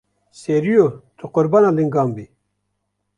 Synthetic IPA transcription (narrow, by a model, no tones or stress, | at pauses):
seɾijot̪ʰuqoɾbanaliŋɡaːmbi